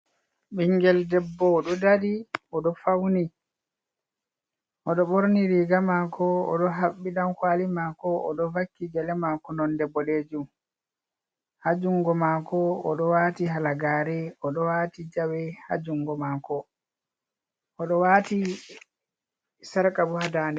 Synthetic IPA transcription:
ɓiŋɡɛldɛbːɔːɗɔdadiɔɗɔfawni | ʔɔɗɔɓoɾniɾiɡamakɔɔ̰ɗɔɦaɓːiɗankwalimakɔɔɗɔvakːid͡ʒɛlɛmakɔnɔndɛbɔleːd͡ʒum | had͡ʒuŋɡɔmaːkɔɔɗɔwatiɦalaɡaːɾɛɔɗɔwaːtid͡ʒawɛha̰d͡ʒuŋɡɔmakɔ | ʔɔɗɔwaːti | saɾkabuhadaːnɛ

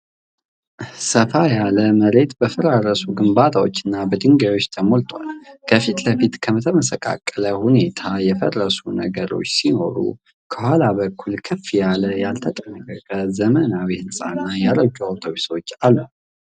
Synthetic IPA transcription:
səfajaləməɾe̞t̪bəfəɾaɾəsuɡɨmbat̪ʰawo̞t͡ʃːɨnːabəd̪ɨŋɡajwo̞t͡ʃːt̪ʰəmo̞lt̪ʼwa̰lkʰəfit̪ləfit̪kʰəmət̪ʰəməsəkʼa̰kʼːələhune̞t̪ʰajɛfə̰rːəsunə̰ɡəɾo̞̰t͡ʃːsino̞ɾṵ | kʰəhwalaβəkʰːulkʰɨfjaləjalt̪ʰət̪ʼənːəkʼəkʼəzəmənawihɨnsʼa̰nːajaɾəɡaawt̪ʰoβiswot͡ʃːalːu

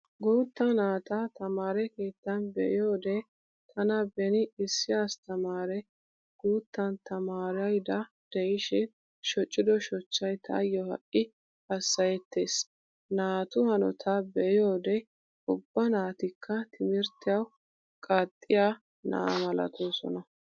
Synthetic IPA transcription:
ɡoːt̪ːɐnaːt̪ɐt̪ɐmaːɾɛke̞ːt̪ːɐnbɛʔɪjo̞ːd̪ɛ | t̪ʰɐnɐbɛnɪɪsːɪjaːst̪ɐmaːɾɛ | ɡ̥oːt̪ːɐnt̪ɐmaːɾɐjd̪ɐ | d̪̥ɛjɪʃɛ | ʃɔt͡ʃʼːɪd̪ɔʃɔt͡ʃːɐjt̪ʰɐ̰jːɔhɐ̰ʔʼːɪ | ɐsːɐjɛt̪ːe̞ːs | naːt̪ʊhɐnɔ̰t̪ʰɐbɛʔɪjo̞ːd̪ɛ | ʊbːɐnaːt̪ɪkʰːɐt̪ʰɪmɪɾt̪ːɪjɐw | kʼɐt̪ʼːɪjaː | nɐ̰ʔa̰mɐlɐ̰t̪ʰo̞ːsɔ̰nɐ

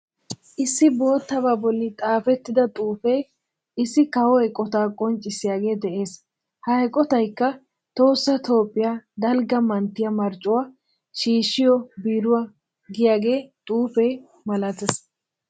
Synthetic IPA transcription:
ʔɪsːɪbo̞ːt̪ːɐbaːbɔlːɪt̪ʼaːfɛt̪ːɪd̪ɐt̪ʼuːfɛj | ɪsːɪkɐwɔɛkʼːɔt̪aːkʼɔnt͡ʃʼːɪsɪjaːɡe̞ːd̪ɛʔeːs | hɐɛkʼɔt̪ɐjkːɐ | t̪o̞ːsːɐt̪ʰo̞ːpʼːɪjaːd̪ɐlɡɐmɐnt̪ːɪjɐmɐɾt͡ʃʼʊwaː | ʃiːʃːɪjɔbiːɾʊwa | ɡɪjaːɡe̞ːt̪ʼuːfɛj | mɐlɐt̪ɛs

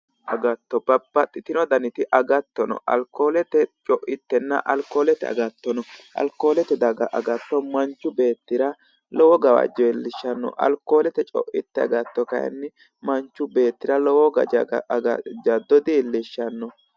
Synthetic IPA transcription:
ʔɐɡɐt̪ːɔb̥ɐbːɐt̪ʼːɪt̪ɪnɔd̪ɐnɪt̪ɪʔɐɡɐt̪ːɔnɔ̰ʔɐ̰lkːo̞ːlɛt̪ɛt͡ʃʼɔʔɪt̪ːɛnːɐ̰ʔɐlkːoːlɛt̪ɛ̰ɐ̰ɡɐt̪ːɔnɔʔɐ̰lko̞ːlɛt̪ɛd̪ɐɡɐʔɐɡɐt̪ːɔmɐnt͡ʃːʊbe̞ːt̪ːɪɾɐ | lɔwɔɡɐwɐ̰d͡ʒɔɛlːɪʃːɐnːɔ̰ʔɐ̰lkoːlɛt̪ɛt͡ʃʼɔ̰ʔɪt̪ːɛɐ̰ɡɐt̪ːɔkɐjɐ̰nːɪ | mɐnt͡ʃːʊbe̞ːt̪ːɪɾɐlɔwɔɡɐd͡ʒɐ̰ɡɐ̰d͡ʒɐd̪ɔd̪ɪːlːɪʃːɐnːɔ

